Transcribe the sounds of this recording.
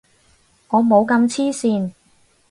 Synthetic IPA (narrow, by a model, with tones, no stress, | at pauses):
ŋɔː˨˧mo˨˧wkɐ˧mt͡sʰiː˥siː˧n